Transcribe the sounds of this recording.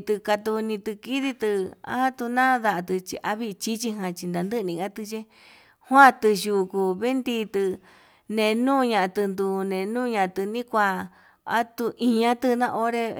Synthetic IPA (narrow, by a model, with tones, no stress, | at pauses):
t̪ɨ˧ka˧t̪u˧nĩ˧t̪ɨ˧ki˦ði˧t̪ɨ˧a̰˦a˦t̪u˧nã˦ða˧ʔa˧t̪ɨ˧t͡ʃḭ˧ʔa˦βi˦˧t͡ʃi˦t͡ʃi˧ɦã˧t͡ʃi˧nd̪a˨˧nd̪ɨ˦˧nĩ˧ɣa˦t̪ɨ˧t͡ʃe˦ | hwã˦t̪ɨ˧ʒu˧˨ku˧βe˦nd̪i˧t̪ɨ˧ | nẽ˧˨˧nũː˦˧ɲã˧ʔa˧t̪ɨ˧nd̪u˧nẽ˨nũː˦˧ɲã˧ʔa˧t̪ɨ˧nĩ˦kʷa˧ | a˦t̪u˧ʔĩ˧ɲã˦t̪ɨ˦˧nã˦˧ʔo˦ɾe˧